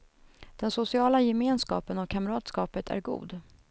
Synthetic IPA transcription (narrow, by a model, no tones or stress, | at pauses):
d̪̥ɛnsʊsɪɑːlajɛmeːnskɑ̰ːpənɔvkʰaməɾɑːt̪skɑːpət̪ʰæ̰ɾɡṵːd̪